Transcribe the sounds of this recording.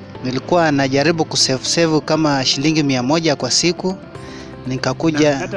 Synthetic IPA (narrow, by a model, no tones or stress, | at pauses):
nilikuwanaʄaɾiɓukusɛvusɛvukamaʃiliŋɡimiamɔʄakwasiku | nikakuʄa